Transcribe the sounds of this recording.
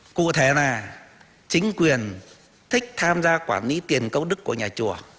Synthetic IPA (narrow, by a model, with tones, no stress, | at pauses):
kṵ˧˨t̪ʰe˨˧˩naː˨˩ | t͡ɕï˨˦ŋ̟kwi˨˩ən | t̪ʰï˦˥k̚t̪ʰaː˧mzaː˧kwaː˧˩nli˨˦t̪i˨˩ənkə˧wŋ͡mɗɨ˦˥kːu˧˩əɲaː˨˩t͡ɕu˧˩ə